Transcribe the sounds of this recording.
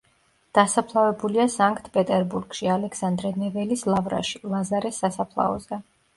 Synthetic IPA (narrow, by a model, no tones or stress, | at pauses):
d̪̥asapʰlˠavɛbuliasaŋkʼt̪ʰpʼɛt̪ʼɛɾbuɾɡ̥ʃialɛkʰsand̪ɾɛnɛvɛlislˠavɾa̰ʃilˠazaɾɛsːasapʰlˠa̰ɔzɛ